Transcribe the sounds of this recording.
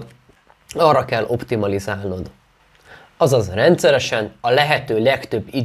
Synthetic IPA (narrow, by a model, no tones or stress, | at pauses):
ɒːrːɒkɛlːʔo̞pt̪imɒlizaːlno̞d̪ | ɒzɒzrɛnt̪sɛɾɛʃɛnɒlɛɦɛt̪øːlɛkt̪ø̞bːid̪